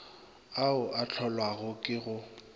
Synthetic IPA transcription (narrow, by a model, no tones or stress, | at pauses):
aʊʔat͡ɬʰɔlwaɣʊkʼɪɣʊ